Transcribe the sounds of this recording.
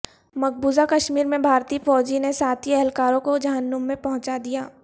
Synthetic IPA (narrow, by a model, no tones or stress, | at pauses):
mɐk̚ʰbuːzakɐʃmiːɾmẽbʱaːɾt̪iːfɔːd͡ʒinesaːt̪ʰiɛɦɛlkaːɾõkod͡ʒɐɦənːʊmːẽpɐɦʊ̃t͡ʃad̪ijaː